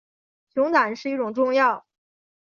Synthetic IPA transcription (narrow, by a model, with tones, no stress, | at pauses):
t͡ɕʰjʊ˧˥ŋt̪a˨˩nʂɻ̩˥˧i˥˩ʈ͡ʂʊ˨˩ŋʈ͡ʂʊ˥˧ŋjɑ˥˩ʊ